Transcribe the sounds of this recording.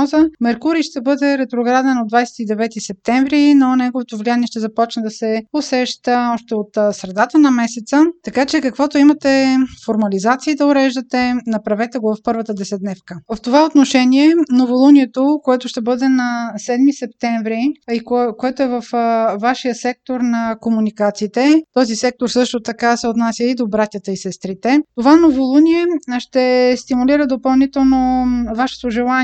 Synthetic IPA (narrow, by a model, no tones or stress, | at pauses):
ɔzəmɛɾkuɾiʃt̪ɛbɤd̪ɛɾɛt̪ɾoɡɾad̪ɛnod̪vajsɛ̥t̪id̪ɛvɛt̪isɛp̚t̪ɛ̃ɱvɾinonɛɡovot̪ovlʲianiɛʃt̪ɛzɐpɔt͡ʃnəd̪ɐsɛosɛʃt̪əɔʃt̪ɛot̪sɾɛd̪at̪ənɐmɛsɛt̪sət̪ɐkat͡ʃɛkəkvɔt̪oimɐt̪ɛfoɾmɐlizat̪siːd̪ɐʊɾɛʒd̪ət̪ɛnɐpɾɐvɛt̪ɛɡovɐfpɤɾvət̪əd̪ɛsɛt̪nɛfkəvəft̪ovaot̪noʃɛniɛnovolˠuniɛt̪okoɛt̪ʊʃt̪ɛbɤd̪ɛnɐsɛd̪misɛp̚t̪ɛɱvɾiikokoɛt̪oɛvɐfvaʃijəsɛk̚t̪oɾnɐkomunikat̪siːt̪ɛt̪ɔzisɛk̚t̪oɾsɤʃt̪ot̪ɐkasɛot̪nasʲjəid̪obɾat̪ʲət̪əisɛst̪ɾit̪ɛt̪ovanovolˠuniɛʃt̪ɛst̪imuliɾəd̪opɐlˠnit̪ɛlˠnovaʃɛ̥t̪oʒɛlˠa